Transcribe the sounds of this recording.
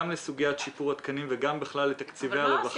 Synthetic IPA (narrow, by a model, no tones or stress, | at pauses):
mlesuɡijat̪ʃipuʁat̪kanimveɡambiχlalːet̪akt͡siveaʁevaχ